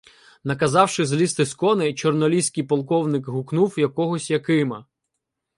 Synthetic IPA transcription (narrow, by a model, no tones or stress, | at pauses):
nɐkɐzɑwʃɪzlʲist̪ɪskɔnɪt͡ʃɔrnɔlʲisʲkʲijpɔlˠkɔwnɪkɦʊknuwjɐkɔɦɔsʲjɐkɪmɐ